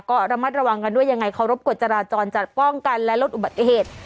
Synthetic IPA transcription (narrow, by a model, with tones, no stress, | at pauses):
kɔː˥˩ɾa˧ma˦˥˩t̪̚ɾa˧wa˧ŋka˧ndu˥˩əja˧ŋːa˧jkʰa˧˩ɾo˦˥p̚ku˨˩t̪̚t͡ɕa˧ɾaː˧t͡ɕɔː˧nt͡ɕa˨˩t̪̚pɔ˥˩ŋka˧nlɛ˦˥lo˦˥t̪ʔu˨˩ba˨˩t̪ːi˧˩ɦeː˨˩t̪̚